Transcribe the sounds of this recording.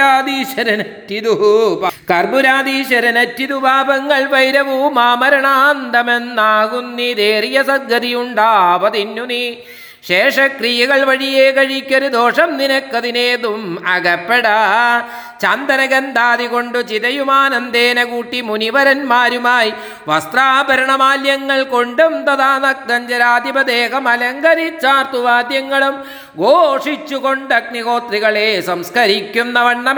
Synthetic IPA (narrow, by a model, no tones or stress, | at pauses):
aːd̪iːʂɐɾɐnɐtːid̪ubkɐrbuɾaːd̪iːʂɐɾɐnɐtːiðubʱaːbɐŋːɐɭʋɐjɾɐʋumaːmɐɾɐɳaːnd̪ɐmenːaːɡunːid̪eːɾijɐsɐɡːɐðijuɳɖaːʋɐd̪inːuni | ʂeːʂɐkrijɐɣɐɭʋɐɻijeːkɐɻikʲːɐɾud̪oːʂɐmninɐkːɐðineːðumɐɡɐpːeɽaː | t͡ɕand̪ɐnɐɡɐnd̪aːðiɣo̞ɳɖut͡ɕiðɐjumaːnɐnd̪eːnɐkuːʈːimuniʋɐɾɐnmaːɾumaːji | ʋɐst̪raːbɐɾɐɳɐmaːljɐŋːɐɭko̞ɳɖumt̪ɐðaːnɐk̚d̪ɐɲd͡ʑɐɾaːd̪ibɐd̪eːkɐmɐlɐŋɡɐɾit͡ɕːaːrt̪uʋaːd̪jɐŋːɐɭum | ɡoːʂit͡ɕːukoɳɖɐk̚niɣo̞ːt̪riɣɐɭeːsɐmskɐɾikʲːunːɐʋɐɳːɐm